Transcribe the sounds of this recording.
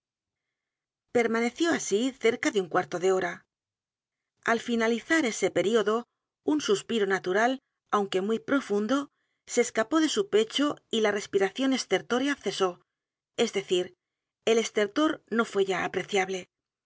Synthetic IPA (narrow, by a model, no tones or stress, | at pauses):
pe̞ɾmane̞θjo̞asiθe̞ɾkaðeuŋkwaɾt̪o̞ðe̞o̞ɾa | alfinaliθaɾe̞se̞pe̞ɾio̞ðo̞ | unsuspiɾo̞nat̪uɾal | awŋke̞mwijpɾo̞fund̪o̞ | se̞ːskapo̞ðe̞supe̞t͡ʃoilare̞spiɾaθjo̞ne̞st̪e̞ɾt̪o̞ɾjaθe̞so̞ | e̞zðe̞θiɾ | e̞le̞st̪e̞ɾt̪o̞ɾno̞fwe̞ʝaapɾe̞θjaβle̞